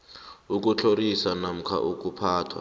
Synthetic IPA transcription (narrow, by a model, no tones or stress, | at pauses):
uk̬ʼut͡ɬʰoɾisanam̩kʰa̰ʔuk̬ʼupʰaːtʰwa̰